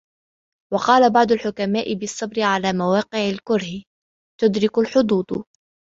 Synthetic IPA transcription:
wɑqɑːlabɑʕd̪ˤʊlħʊkamaːʔɪbɪsˤːɑbɾɪʕalaːmawɑːqɪʕalkʊɾhɪ | t̪ʊd̪ɾɪkʊlħʊd̪ˤuːt̪ˤ

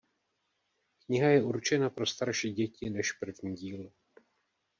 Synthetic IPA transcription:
kɲɪɦajɛuɾt͡ʃɛnapɾo̞st̪aɾʃiːɟɛcɪnɛʃpr̩vɲiːɟiːl

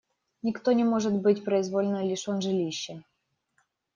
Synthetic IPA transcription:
nʲɪkt̪onʲɪmoʐɨt̪bɨtʲpɾɐɪzvolʲɪnəjlʲiʂɔnʐɨlʲiɕːɛ

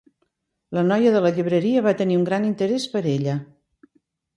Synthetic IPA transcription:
lənɔjəðələʎiβɾəɾiəβat̪əniuŋɡɾanint̪əɾɛspəɾeʎə

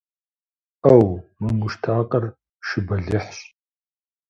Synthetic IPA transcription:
ɐwmɨŋʷʊʃtʰaːqʼɐr | ʃɨbɐɮɨħɕ

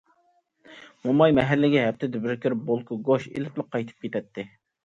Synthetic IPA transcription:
momɑjmɛɦɛlːɪɡʲɛɦɛp̚t̪ɪd̪ɪbɪɾkʲʰɪɾbolˠkʰʊɡoʃḛlɪplˠəq̚ʰːɑjt̪ʰɨ̥p̚kʲet̪ʰɛt̪ʰːɪ

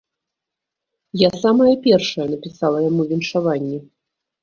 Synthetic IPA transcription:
jasamɐjɐpʲɛrʂɐjɐnɐpʲisalˠɐjamuvʲinʂavanʲːɛ

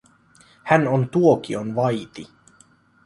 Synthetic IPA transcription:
hænont̪uok̟ionʋɑjt̪i

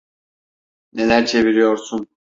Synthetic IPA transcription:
ne̞lʲæɾt͡ʃʰe̞viɾijo̞ɾsun

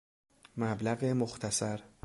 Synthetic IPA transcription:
mæblæɣemoxt̪ʰæsæɾ

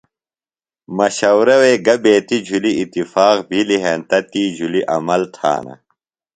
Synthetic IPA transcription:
mɐɕɐwɾɐweːɡɐbeːt̪id͡ʑʱuliːt̪ifaːqbʱiliɦeːnt̪ɐt̪iːd͡ʑʱuliʔɐ̰mɐlt̪ʰa̰ːnɐ̰

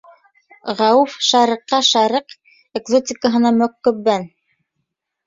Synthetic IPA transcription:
ʁɑwufʃɑɾĭqːɑʃɑɾiq | eɡzot̪ʲikəɦɤ̆nɑmɵkːɵ̆bːæn

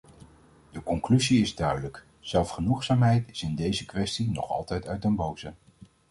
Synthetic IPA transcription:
dəkɔŋklyziɪzdœɥdələk | z̥ɛlˠfχənuχsaːmɦɛjtɪsɪndejzəkʋɛstinɔ̰χɑ̰lˠtɛjtœɥtənbowzə

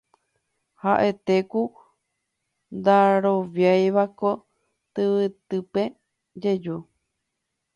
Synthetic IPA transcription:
haʔe̞t̪eku | nd̪aɾoβjajβako | t̪ɨβɨt̪ɨpe | d͡ʒed͡ʒu

